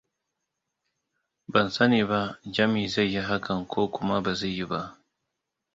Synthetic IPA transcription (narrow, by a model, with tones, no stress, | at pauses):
bɐ˨nsɐ˦niː˨βa˦ʔd͡ʒɐ˦miː˨za˦˨jːi˦ɦa˦kɐ˨ŋkʷʰoː˦kʷʊ˦ma˦ba˨zaː˦˨i˦ba˦ʔ